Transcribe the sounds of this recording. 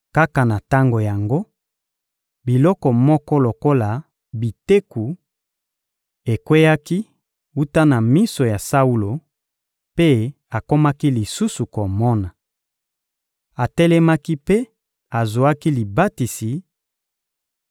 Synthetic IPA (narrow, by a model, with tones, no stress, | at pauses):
ka˦ka˨na˨ta˦ŋɡo˨ja˨ŋɡo˦ | bi˨lɔ˦kɔ˨mɔ˦kɔ˦lo˨ko˦la˨ | bi˨te˦ku˨ | e˨kwe˦ja˦ki˦ | u˦ta˦na˨mi˦so˨ja˨sa˦u˦lo˨ | pe˦ | a˨ko˦ma˦ki˦li˨su˦su˨ko˨mɔ˦na˨ | a˨tɛ˦lɛ˦ma˦ki˦pe˦ | a˨zo˨a˦ki˦li˨ba˦ti˨si˨